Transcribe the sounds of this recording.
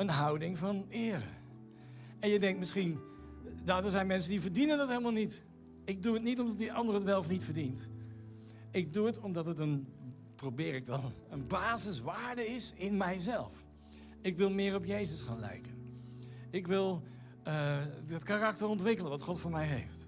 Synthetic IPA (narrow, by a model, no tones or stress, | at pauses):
ənɦʌwdɪŋvɑnɪːrə̰ | ɛnjədɛŋktmɪsχin | jadəɹzɛjnmɛnsəndivəɹdinəndɑtɦejlˠəmalˠnit | ɪɡ̚duətnitɔmdɑtiʔɑndərəətʋɛlˠfnitfəɹdint | ɪɡ̚duətɔmdɑtɦətən | prowbɪːɾɪɡ̚dɑn | ənbaːzəsʋaːɹdəɪsɪnmɛjzɛlˠf | ɪkʋɪlˠmɪːrɔpjejzəsχaːnlɛ̰jkən | ɪkʋɪlˠ | əətkarɑk̚təɹɔntʋɪkələnʋɑtχɔtfʊːɹmɛjɦḛjft